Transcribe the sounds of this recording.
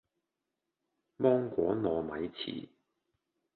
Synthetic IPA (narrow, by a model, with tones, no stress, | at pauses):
mɔː˥ŋkʷɔː˨˥nɔː˨˧mɐ˨˧jt͡sʰḭː˨˩